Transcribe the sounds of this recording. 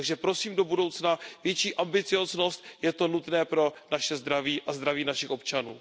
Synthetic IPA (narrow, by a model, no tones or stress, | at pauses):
aɡʒɛpɾo̞siːmdo̞budo̞wt͡snavjɛt͡ʃiːʔambɪt͡sɪjo̞zno̞st̪̚jɛt̪o̞nut̪nɛːpɾo̞naʃɛzd̪ɾaviːʔazd̪ɾaviːnaʃɪxʔo̞p̚t͡ʃanṵː